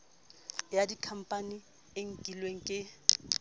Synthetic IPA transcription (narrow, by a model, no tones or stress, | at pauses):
jadikʰam̩pʼani | eŋ̩kʼilweŋ̩kʼɪ